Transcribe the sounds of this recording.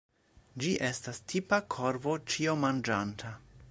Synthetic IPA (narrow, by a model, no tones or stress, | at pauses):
d͡ʒiʔe̞stastʰipakʰoɾvo̞t͡ʃio̞mand͡ʒantʰa